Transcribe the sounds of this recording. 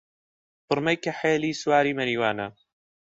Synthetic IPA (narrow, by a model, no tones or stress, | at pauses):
bɨɾmɐjkɐħeːliːswaːɾiːmɐɾiːwaːnɐ